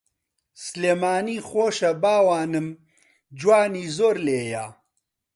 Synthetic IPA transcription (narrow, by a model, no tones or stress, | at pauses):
sleːmaːniːxoːʃɐbaːwaːnɨm | d͡ʒwaːniːzoːɾleːja